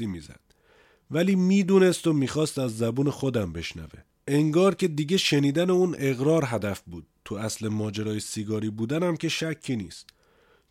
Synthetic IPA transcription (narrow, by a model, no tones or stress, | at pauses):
iːmiːzæ̰d̪̥̚ | væliːmiːd̪uːne̞st̪omiːxɒːst̪æzːæbuːne̞xod̪æmbe̞ʃnæ̰vḛ | eŋɡɒːɾcʰʲe̞d̪iːɟe̞ʃeniːd̪æne̞uːnʔe̞ɣɾɒːɾɦæd̪æfbuːd̪̚t̪ʰuæslemɒːd͡ʒeɾɒːjesiɡɒːɾiːbuːd̪ænæmcʰe̞ʃæcʰːiːniːst̪